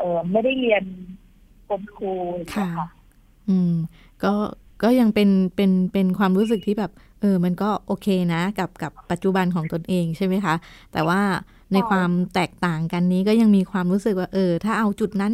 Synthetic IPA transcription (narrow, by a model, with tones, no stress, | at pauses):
ʔɤː˨˩ma˥˩jda˥˩jli˧ən | ko˧mkʰuː˧˨kʰa˦˥˩a˦˥˩ | ʔɯː˧m | kɔː˥˩ | kɔː˥˩ja˧ŋpe˧npe˧npe˧nkʰwaː˧mɾuː˦˥s̬ɯ˨˩k̚t̪ʰiː˥˩bɛː˨˩p̚ | ʔɤː˧ma˧nkɔː˥˩ʔoː˧kʰeː˧na˦˥ka˨˩p̚ka˨˩pːa˨˩t̪̚t͡ɕu˨˩ba˧nkʰɔː˩˦ŋt̪o˧nʔeː˧ŋt͡ɕʰa˥˩jma˦˥jkʰa˦˥ʔt̪ɛː˨˩waː˥˩ | na˧jkʰwaː˧mt̪ɛː˨˩k̚t̪aː˨˩ŋka˧nːiː˦˥kɔː˥˩ja˧ŋmiː˧kʰwaː˧mɾuː˦˥sɯ˨˩k̚waː˥˩ʔɤː˧t̪ʰaː˥˩ʔa˧wt͡ɕu˨˩t̪̚na˦˥n